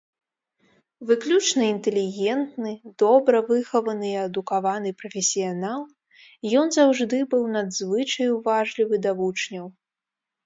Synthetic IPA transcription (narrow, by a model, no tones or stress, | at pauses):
vɨklʲut͡ʂnɐint̪ɛlʲiɣʲɛnt̪nɨd̪̥ɔbɾɐvɨxɐvɐnɨiɐd̪ukavanɨpɾɐfʲɛsʲijanalˠ | jɔnzawʐd̪ɨbɨwnad̪zvɨt͡ʂɐjwvaʐlʲivɨd̪avut͡ʂnʲɐw